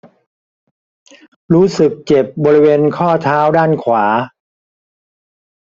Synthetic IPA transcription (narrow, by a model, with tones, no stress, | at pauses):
ɾuː˦˥sɯ˨˩k̚t͡ɕe˨˩p̚bɔː˧ɾi˦˥weː˧nkʰɔː˥˩t̪ʰaː˦˥wdaː˥˩nkʰwaː˩˦